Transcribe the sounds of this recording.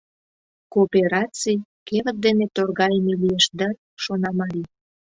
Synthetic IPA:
koːpeɾɑt͡sijkevət̪̚d̪enet̪orɣɑjmelijeʃd̪ə | ʃonɑmɑɾi

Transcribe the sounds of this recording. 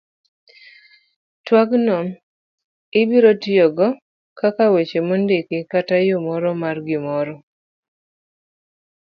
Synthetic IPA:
twaɡnɔm | ɪbiɾɔtjɔɡɔ | kakawet͡ʃemondekɪkatajomɔɾɔmarɡɪmɔɾɔ

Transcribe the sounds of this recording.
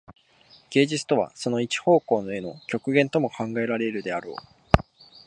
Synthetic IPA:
ɡ̥e̞ːd͡ʑit͡sɨ̥t̪o̞βa̰so̞no̞it͡ɕi̥ho̞ːko̞ːno̞e̞no̞kʲo̞kɯ̟ɡẽ̞nt̪o̞mokʰãŋɡae̞ɾaɾe̞ɾɯ̟d̪e̞aɾo̞̰ː

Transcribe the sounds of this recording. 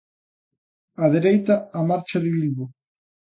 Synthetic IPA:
aðeɾejt̪aːmaɾt͡ʃɐðɪβilβo

